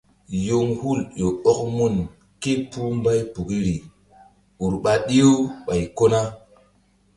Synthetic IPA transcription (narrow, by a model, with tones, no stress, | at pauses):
jo˨ŋhu˦˨ljo˨o˦k̚mu˦n | ke˦pu˦mba˦jpu˨ki˦ɾi˨ | u˨ɾɓa˨ɗi˦jo˦ɓa˨jko˦na˦